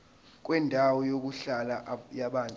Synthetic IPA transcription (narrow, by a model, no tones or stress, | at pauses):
k̬ʼwɛndʱawɔjok̬uɬalajaɓantʼ